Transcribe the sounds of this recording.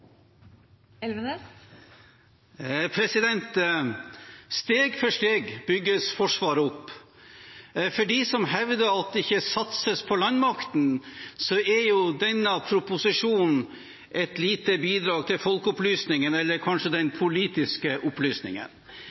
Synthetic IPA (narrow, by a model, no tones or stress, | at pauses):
ɛlʋənə | pʰɾɛsɪd̪ɛnt̪ | st̪eːɡfɔʂt̪eːɡbʏɡːəsfɔʂʋɑːɾəʊpː | fɔɖiːsɔmɦɛʋd̪əɾɑt̪̚d̪ɛɪçːəsɑt̪səspʰɔlɑnmɑkt̪n̩sɔɛɾjʊd̪ɛnːəpʰɾʊpʊsɪʂuːnn̩ | ʔɛt̪liːt̪əbiːd̪ɾɑːɡ̚t̪ʰɪlfɔlkʊplyːsnɪŋənɛlːəɾkʰɑnʂəd̪ɛnpʰʊliːt̪ɪskəʔʊplyːsnɪ̰ŋə̰n